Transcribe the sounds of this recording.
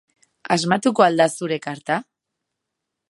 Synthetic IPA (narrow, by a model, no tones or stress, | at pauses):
azmat̪uko̞ald̪asuɾe̞kaɾt̪a